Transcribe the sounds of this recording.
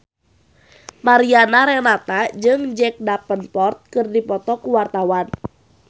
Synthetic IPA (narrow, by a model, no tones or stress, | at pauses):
maɾianaɾɛnat̪ad͡ʒɨŋd͡ʒɛk̚dapənpɔrt̪̚kɨrdipɔt̪ɔkuwart̪awan